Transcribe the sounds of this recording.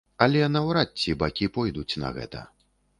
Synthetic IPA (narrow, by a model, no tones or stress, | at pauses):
ɐlʲɛnɐwɾat͡sʲːibakʲipɔjd̪ut͡sʲnɐ̰ɣɛ̰t̪ɐ̰